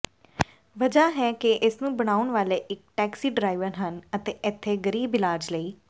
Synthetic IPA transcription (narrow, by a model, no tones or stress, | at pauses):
ʋəd͡ʒaːɦɛːkeʔɪsnũːbəɽ̃aːʊɳʋaːleːʔɪk̚ʈɛːksiːɖɾaːiʋəɾɦənət̪eːɪt̪ʰːeːɡəɾiːbɪlaːɾd͡ʒləiː